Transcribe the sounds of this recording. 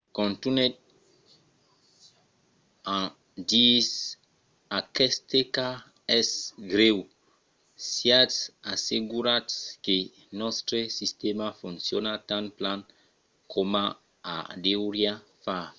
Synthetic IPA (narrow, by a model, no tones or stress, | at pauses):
kõnt̪unet̪̚ | ã | d̪is | akɛst̪eka | ɛsɡɾew | sjat̪saseɡuɾat̪ske | nɔst̪ɾesist̪emafũnsjonat̪ãnplan | kʰoma | a̰d̪ewɾjafa